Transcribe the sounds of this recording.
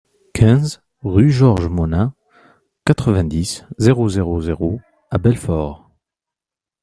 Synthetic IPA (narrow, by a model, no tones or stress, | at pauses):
kʲʰɛ̃z | ʁyʒɔʁʒmɔna | kat̪χəvɛ̃d̪iszeʁozeʁozeʁo | abɛlfɔʁ